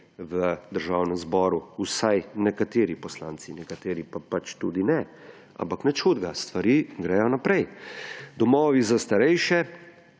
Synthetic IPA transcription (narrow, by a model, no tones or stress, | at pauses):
ʋəd̪əɾʒaːwnɛmzbɔːɾuusajnɛkat̪eːɾipɔslaːnt̪sinɛkat̪eːɾipapat͡ʃt̪ṵːd̪inɛ | a̰mpaknɛt͡ʃxuːd̪ɡast̪ʋaɾiːɡɾɛːjɔnapɾɛjd̪ɔmɔːʋizast̪aɾɛjʃɛ